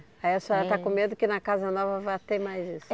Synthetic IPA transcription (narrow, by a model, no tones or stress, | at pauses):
aiɐsɔɾɐt̪akõmed̪ʊkɪnɐkazɐnɔvɐvat̪emajzisʊ